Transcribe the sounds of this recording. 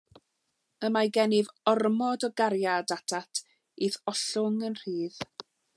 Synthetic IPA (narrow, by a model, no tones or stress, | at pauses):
əmajɡɛnɪvɔrmɔdɔɡaɾjadatʰatʰ | iθɔɬʊŋənr̥iːð